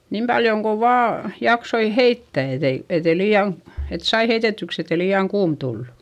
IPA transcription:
niːm pɑljoŋ ko ʋɑː jɑksoi heitːæˑ etei etei liːɑŋ et sɑi heitetyks etːe liːɑŋ kuːm d̥ulːu

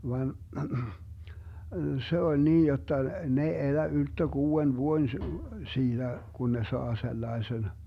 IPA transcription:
ʋɑn se olʲ niː jotːɑ ne ei elæ yltːø kuːen ʋuoĭn siːd̥æ kun ne sɑː selːɑesen

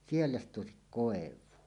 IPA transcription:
sielːæ st oˑesik koˑeʋˑuo

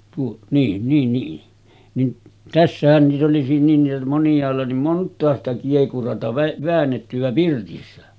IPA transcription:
tuo niːn niːn niː nin tæsːæhæn niːt oli niːlː oli monjɑˑelːɑ oli montˑɑː stɑ kiekurɑtɑ ʋæ ʋæːnːetːyæ pirtisːæ

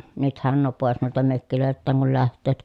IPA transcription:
nythæn nuo poˑes nuiltɑ møkːiløˑeltˑæːŋ kul læhtˑøːt

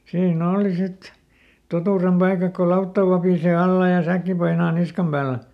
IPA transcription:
siːnː oːli sit totuˑrem pɑikɑk ko lɑutːɑ ʋɑpiˑseˑ ɑlːɑ jɑ sækːi pɑinɑː niskɑm pæːlæ

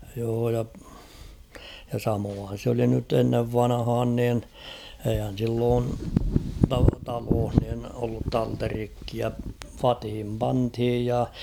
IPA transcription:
joː jɑ jɑ sɑmoːhɑn̞ s oli nyt enːeʋ ʋɑnɑ̆hɑːn nin eihæn̞ silːoːn tɑ tɑloːh nin olːut tɑlterikːiɑ fɑthim pɑnthij jɑ

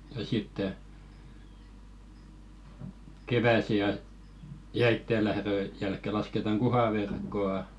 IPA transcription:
jɑ sitːe keʋæˑsi jɑ jæitːeˑ læhɾø jælkːe lɑsketɑŋ ɡ̊uhɑʋerkːoɑ

